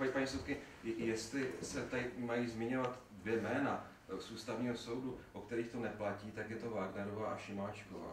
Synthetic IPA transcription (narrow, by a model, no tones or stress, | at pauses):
apaɲisowt̪̚kɪ | jɛst̪lɪsɛt̪amajiːzmɪɲo̞vat̪ | dvjɛmɛːna | suːst̪avɲiːɦoso̞wduʔokt̪ɛɾiːxt̪o̞nɛplaciːt̪akjɛt̪o̞vaːɡnɛɾovaːʔaʃɪmaːt͡ʃkova̰ː